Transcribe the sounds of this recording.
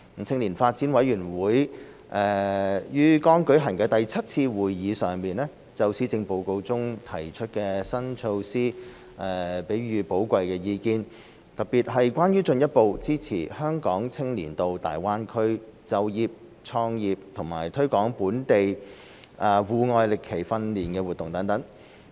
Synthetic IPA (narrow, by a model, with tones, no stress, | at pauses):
ŋ̩˨˩t͡sʰɪ˧ŋliː˨˩nfaː˧t̚t͡siː˨˥nwɐ˨˥jyː˨˩nwuː˨˥j | ʔɛː˨˧jyː˥kɔː˥ŋkɵ˨˥ɥɦɐ˨˩ŋkɛː˧t̪ɐ˨jt͡sʰɐ˥t̚t͡sʰiː˧wuː˨jːiː˨˧sœː˨ŋmiː˨nlɛː˥ | t͡sɐ˧wsiː˥t͡sɪ˧ŋpo˨˧wko˧wt͡sʊ˥ŋt̪ʰɐ˨˩jt͡ʃʰɵ˥t̚kɛː˧sɐ˥nt͡ʃʰo˧wsiː˥ | ʔɛ˨˧pe˨˥jɥyː˨˧po˨˥wkʷɐ˨˧jkɛː˧jiː˧kiː˧n | t̪ɐ˨˩k̚piː˨t̚ɦɐ˨jkʷaː˥njyː˥t͡ʃɵ˧njɐ˥t̚po˨˧wt͡siː˥t͡sʰḭː˨˩hœː˥ŋkɔː˨˥ŋt͡sʰɪ˥ŋlḭː˨˩nt̪o˨˧wt̪a̰ː˨jwaː˥nkʰɵ˥ɥt͡sɐ˧wjiː˨p̚ | t͡sʰɔː˧ŋjiː˨p̚t̪ʰʊ˨˩ŋmaː˨˩jt̪ʰɵ˥kɔː˨˥ŋpuː˨˥nt̪e˨j | ʔɐ˨wuː˨ŋɔː˧jlɪ˨kʰːe˨˩jfɐ˧nliː˨˩nkɛː˧wuː˨˩t̪ːʊ˨ŋt̪ɐ˨˥ŋt̪ɐ˨˥ŋ